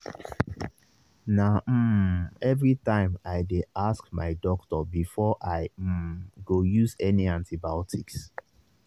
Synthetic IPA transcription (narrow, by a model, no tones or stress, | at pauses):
nam̩ɛvɹitãɪ̃maɪdeaskma̰ɪdɔktɔbifɔʔaɪɡojuzɛniãntʰibatʰiks